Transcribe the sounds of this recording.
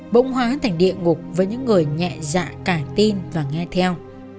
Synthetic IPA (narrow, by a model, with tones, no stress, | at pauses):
ɓə̰˧˥wŋ͡mhɦwaː˨˦˨t̪ʰjŋ̟ɗḭ˧˨əŋʊ˨˩k͡p̚vəː˨˦jɲɨ̰˧˥ŋːɨ˨˩əjɲɛ̰˧˨za̰ː˧˥kaː˧˩t̪i˧nvaː˨˩ŋɛ˧t̪ʰɛ˧w